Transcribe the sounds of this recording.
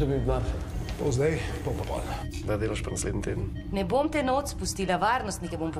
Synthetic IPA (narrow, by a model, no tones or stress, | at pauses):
d̪obinaɾpowzd̪ajbompapɔ̰l | d̪ad̪eːlaʃpanasleːd̪nit̪eːd̪ən | nɛbomt̪ɛnot̪spust̪iːlaʋaːɾnɔst̪nikɛbomp